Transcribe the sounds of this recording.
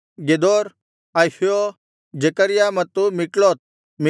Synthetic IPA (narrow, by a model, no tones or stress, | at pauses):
ɡed̪oːɾ | ajfio | d͡ʒekəɾɪjamɐt̪ːumɪkloːt̪̚ | mɪ